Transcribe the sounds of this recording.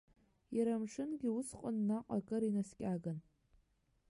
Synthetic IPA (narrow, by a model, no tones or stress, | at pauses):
jaɾamʂʰɨnɡʲiusqʼʊnːaqʼakʼɨɾinaskʲʼaɡan